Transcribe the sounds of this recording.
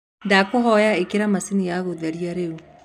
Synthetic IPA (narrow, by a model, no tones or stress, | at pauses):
ndakoɦɔjaekeɾamasinijaɣoðɛɾiaɾeu